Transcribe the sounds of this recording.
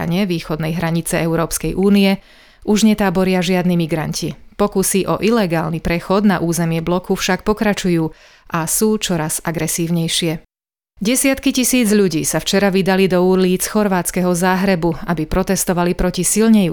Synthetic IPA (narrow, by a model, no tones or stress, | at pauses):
a̰ɲɪɛʋiːxɔd̪nɛjɦɾaɲit͡sɛɛʊɾɔːpskɛjʔuːnijɛ | ʔuʒɲɛt̪aːbɔɾɪaʒɪad̪nimiɡɾancʰipɔkusiʔɔʔilɛɡaːlnipɾɛxɔd̪naʔuːzɛmɪɛblɔkufʃak̚pɔkɾat͡ʃujuː | ʔasuːt͡ʃɔɾaz̥aɡɾɛsiːʊɲɛjʃɪɛ | ɟɛsɪat̪kicisiːd͡zʎuɟiːsaft͡ʃɛɾaʋid̪alid̪ɔuɾliːt͡sxɔɾʋaːt͡skɛɦɔzaːɦɾɛbuabipɾɔt̪ɛst̪ɔʋalipɾɔcisilɲɛju